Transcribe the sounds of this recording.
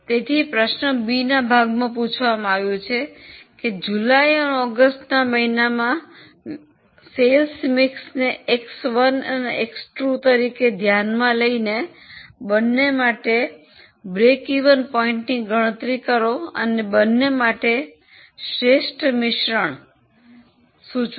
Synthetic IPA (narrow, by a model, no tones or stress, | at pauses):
t̪et̪ʰipɾəʃnəbinabʱaɡmãput͡ʃʰʋamãaʋjũt͡ʃʰeked͡ʒulajəneɔɡəsʈnaməɦinamã | selsmiksneeksʋənəneeksʈɾut̪əɾiked̪ʱjanmãləine | bənːemaʈe | bɾekiʋənpɔĩɳʈniɡəɽ̃ət̪ɾikəɾoə̰nebənːemaʈe | ʃɾeʃʈʰmɪʃɾəɳ̃ | sũt͡ʃ